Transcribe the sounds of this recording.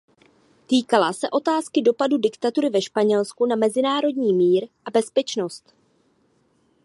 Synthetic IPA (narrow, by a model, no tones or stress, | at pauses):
t̪iːkalasɛʔo̞t̪aːskɪdo̞padudɪkt̪at̪uɾɪvɛʃpaɲɛlskunamɛzɪnaːɾo̞dɲiːmiːɾʔabɛspɛt͡ʃno̞st̪